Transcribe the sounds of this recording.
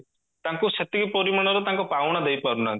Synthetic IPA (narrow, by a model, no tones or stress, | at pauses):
t̪ãŋkuset̪iɡipɔɾimaɽ̃ɔɾɔt̪ãŋkɔpawɽ̃ɔd̪ejpaɾuna